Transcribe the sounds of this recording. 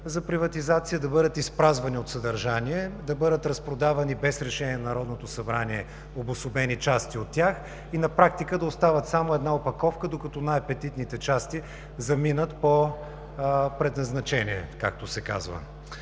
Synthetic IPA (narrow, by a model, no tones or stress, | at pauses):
zɐpɾivɐt̪izat̪sijəd̪ɐbɤd̪ət̪ispɾazvɐniot̪sɐd̪ɐɾʒaniɛd̪ɐbɤd̪ət̪ɾɐspɾod̪avɐnibɛsɾɛʃɛniɛnɐɾɔd̪not̪osɐbɾaniɛ | obʊsʊbɛnit͡ʃast̪iot̪ːjax | inɐpɾak̚t̪ikəd̪ɐost̪avɐt̪samoɛd̪naopɐkɔfkəd̪okɐt̪ɔnajpɛt̪it̪nit̪ɛt͡ʃast̪i | zɐminət̪po | pɾɛd̪nɐznɐt͡ʃɛniɛ̰kak̚t̪osɛka̰zvə̰